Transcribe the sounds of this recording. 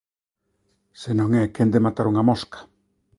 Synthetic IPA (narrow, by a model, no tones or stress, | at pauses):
senõŋɛkend̪emat̪aɾuŋamoskḁ